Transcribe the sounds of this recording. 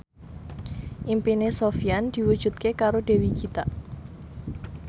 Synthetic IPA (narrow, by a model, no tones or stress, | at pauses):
ʔimpinesofiand̪̥i̤wud̥ʒ̥ṳt̪̚kekaɾode̤wikit̪a